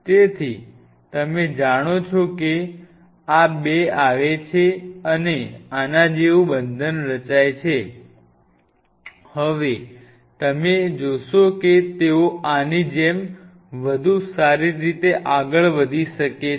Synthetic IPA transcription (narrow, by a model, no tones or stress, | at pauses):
t̪et̪ʰi | t̪əmed͡ʒaɽ̃ot͡ʃʰoke | abeaʋet͡ʃʰeəneanad͡ʒeʋũbənd̪ʱənɾət͡ʃajt͡ʃʰe | həʋe | t̪əmed͡ʒoʃoket̪eoanid͡ʒem | ʋəd̪ʱusaɾiɾit̪eʔaɡəɭʋəd̪ʱiʃəke